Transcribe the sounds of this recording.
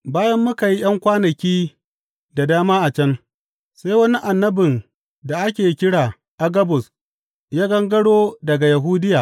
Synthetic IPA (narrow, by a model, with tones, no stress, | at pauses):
baː˦jɐ˦mːʊ˦ka˨ji˦j̰ɐ˦ŋkʷaː˦nɐ˨kʲiː˦ | da˨daː˦maː˦ʔa˨t͡ʃɐ˦n | sa˦jwɐ˦ni˦ʔa˨nːɐ˦bɪ˨n | da˨ʔa˦kʲeː˨˦kʲɪ˦ɽaː˨ | ʔa˦ɡɐ˦bʊ˨s | jaː˦ɡɐ˦ŋɡɐ˦ɽoː˦dɐ˨ɡa˨jɐ˨ɦuː˦dɪ˦jaː˨